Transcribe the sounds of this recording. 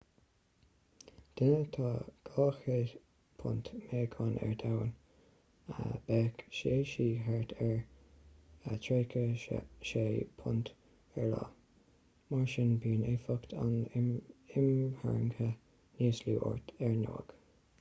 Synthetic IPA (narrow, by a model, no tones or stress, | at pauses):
d̪̥ɪnət̪ʰɑːɡ̥ɑːxə | pʰʊ̰nt̪mɛːkʰɑnʔɛ̰ɹd̪awən | ə̰b̥ɛkʃeʃiːɦɛɹt̪ʰɛɹ | ət̪ʰɹeːkʰəʃeːpʰʊnt̪ | ɛɹlɑ̰ | maɹʃɪnbiːnefɔkt̪ʰa̰n | ɪmhɛ̰ɹŋkə | niːsluʔɔ̰ɹt̪ɛɹno̰ːɡ̥